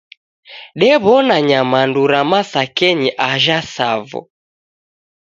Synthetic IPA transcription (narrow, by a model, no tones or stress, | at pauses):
ɗɛβɔnaɲamanduɾamasakɛɲiʔaʒasavɔ̰